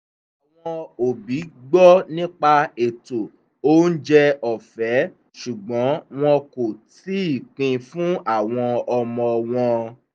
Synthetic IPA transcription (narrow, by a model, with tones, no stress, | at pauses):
a˨w̃ɔ̃˧o˨bi˨˦ɡ͡bɔ˦nĩ˦k͡pa˧e˨to˨ | o˦n̩˦d͡ʒɛ˧ɔ˨fɛ˨˦ | ʃu˨ɡ͡bɔ̃˨˦w̃ɔ̃˧ko˨ti˦i˦˨k͡pĩ˧fũ˦a˦˨w̃ɔ̃˧ɔ˧mɔ̃˧w̃ɔ̃˧